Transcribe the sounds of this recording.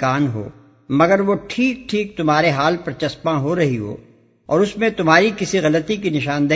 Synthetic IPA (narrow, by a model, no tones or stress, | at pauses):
aːnɦo̰ː | mɐɡəɾʋoʈʰiːk̚ʈʰiːk̚t̪ʊmɦaːɾeɦaːlpɐɾt͡ʃɐspãɦoɾɐɦiɦo̰ː | ɔ̰ːɾʊsmẽt̪ʊmɦaːɾikɪsiɣɐlət̪ikinɪʃaːnd̪ɐ